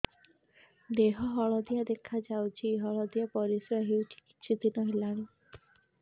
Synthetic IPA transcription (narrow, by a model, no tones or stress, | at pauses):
d̪eɦɔɦɔɭɔd̪ijad̪ekʰad͡ʒawt͡ʃʰiɦɔɭɔd̪ijapɔɾisɾaɦewʈʰi̥ki̥ːt͡ʃʰid̪inɔɦelaɽ̃i